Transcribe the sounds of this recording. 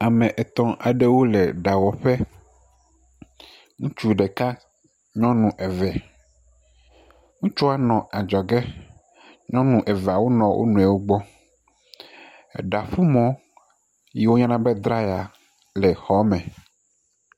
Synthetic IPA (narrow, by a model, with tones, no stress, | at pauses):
a˨mɛ̃˨ʔɛ˨t̪ɔ̃˦ʔa˨ɖe˦wo˦le˨ɖa˨wɔ˨ɸɛ˦ | ŋũ˦t͡ʃu˦ɖɛ˨ka˦ | ɲɔ̃˦nũ˨ʔɛ˨vɛ˨ | ŋũ˦t͡ʃɔ˦a˦nɔ̃˨a˨d͡ʒɔ˨ɡɛ˦ | ɲɔ̃˦nũ˨ʔɛ˨vɛ˨a˨wo̰˦nɔ̃˨wʔo̰˦nũ˨ɛ˨wo˦ɡ͡bɔ˦˨ | ɖa˨ɸu˦mɔ̃˦ | ji˦wo˦ɲã˦nã˦bɛ˦d̪ɾa˦ja˨ | lɛ˨xɔ˨˦mɛ̃˨